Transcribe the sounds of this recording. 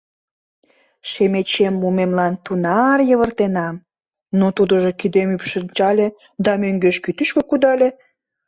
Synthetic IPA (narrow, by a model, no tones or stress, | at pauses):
ʃemet͡ɕemːumemlɑnt̪unɑrjəβərt̪enɑm | not̪ud̪əʒokid̪emypʃənʲt͡ɕɑlʲe | d̪ɑmøŋɡøʃkyt̪yʃkokud̪ɑlʲe